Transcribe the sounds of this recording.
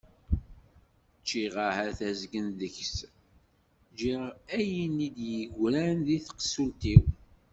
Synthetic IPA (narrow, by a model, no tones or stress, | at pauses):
t͡ʃːiʁahæɾθæzɡənðəçs | d͡ʒiʁæjənid̪jəɡʷɾænðiθqə̥sult̪iw